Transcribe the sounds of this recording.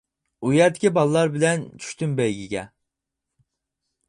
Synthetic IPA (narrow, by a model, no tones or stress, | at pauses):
ujɛt̪ɪkʲʰibɑlˠlˠɑɾbɪlɛnt͡ʃʰy̥ʃt̪ymbɛjɡʲiɡʲɛ̰